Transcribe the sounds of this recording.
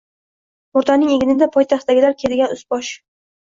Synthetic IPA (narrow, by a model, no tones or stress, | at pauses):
ʊɾt̪ʰanɪŋeɡʲɪnɪd̪apʰɒjt̪ʰaχt̪ːaɡʲɪlaɾkʲʰe̞d̪ɪɡʲanʊsbɒʃ